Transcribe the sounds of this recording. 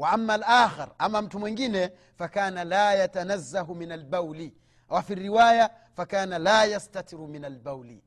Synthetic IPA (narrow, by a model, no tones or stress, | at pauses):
waʔamːalʔaːxɪɾʔamam̩tumwiŋɡinɛ | fakaːnalaːjatanazːaɦuminalbawli | wafirːiwaja | fakaːnalaːjastat̪iɾuminalbawlḭ